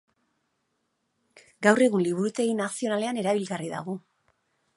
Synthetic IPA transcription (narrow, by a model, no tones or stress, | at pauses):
ɡawre̞ɣunliβuɾut̪e̞ɣinasio̞nale̞ane̞ɾaβilɣariða̰ɣ̞u